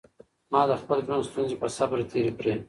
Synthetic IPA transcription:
mɑːd̪əxpəleɡɾonst̪unzepəsabɾt̪ʰeːɾipɾeː

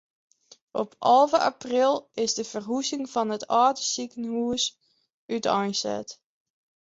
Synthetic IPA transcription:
ʔɔpʰɑlˠvəʔa̰prɪlˠɪzdəvərɦusɪŋvɑnətɑːdəsikənɦuəs | ytɔjnsɛ̰t

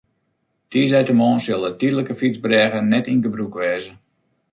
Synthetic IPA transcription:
tiəz̬ɛjtəmoːnsølˠətiədələkəfit͡sbrɛːɣənɛtinɡəbrukʋɛːzə

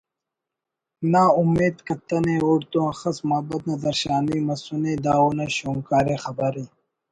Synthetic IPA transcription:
naːumːeːd̪kɐt̪ɐneuɽt̪õːxɐsmaːbɐt̪̚nɐd̪ɐɾɕaːniːmɐsuneːd̪aːoːnɐɕoːŋkaːɾeːxɐbɐɾiː

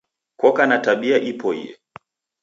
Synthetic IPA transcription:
kɔkanataɓiaʔipɔḭjɛ̰

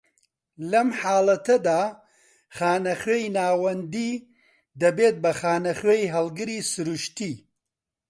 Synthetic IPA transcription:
lɐmħaːlɐt̪ʰɐd̪a | xaːnɐxejnaːwɐnd̪i | d̪ɐbeːt̪̚bɐxaːnɐxejɦɐlɡɨɾisɨɾuʃt̪i

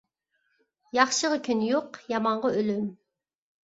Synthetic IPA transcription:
jɑχʃəʁəkʲʰynjoqjɑmɑɴʁɑølym

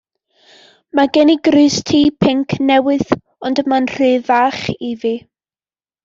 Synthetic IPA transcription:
maɡɛniɡrɨstʰiːpʰɪŋkʰnɛwɨð | ɔndəmanr̥ɨːvaːχivi

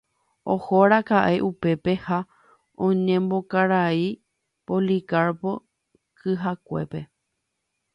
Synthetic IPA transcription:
ohoɾakaʔe̞ʔupe̞pe̞ha | õɲẽmbo̞kaɾai | polikaɾpo̞ | kʰɨɦakʷe̞̰pe̞

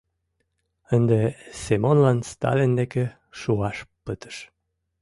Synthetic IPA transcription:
ənd̪esemonlɑnst̪ɑ̰lend̪eke | ʃuɑʃpət̪ə̥ʃ

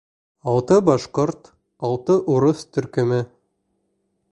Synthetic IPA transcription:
ɑlˠt̪ɤbɑʃqoɾt̪ | ɑlˠt̪ɤʔuɾɤst̪ɵ̆ɾkɵ̆mɘ

